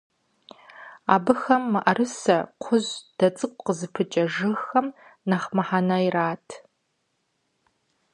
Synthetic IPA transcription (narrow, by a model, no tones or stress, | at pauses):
aːbɨxɐmːɨʔɐrɨsɐqʷʰʊʑd̥ɐt͡sʼɨqʷʼqəzɨpʰɨt͡ʃʼɐʒɨxɐmnɐχmɐħanairaːtʰ